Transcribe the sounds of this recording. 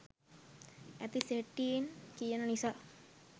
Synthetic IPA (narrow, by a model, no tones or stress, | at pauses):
ɛt̪iseʈːiːnkijɐnɐnisa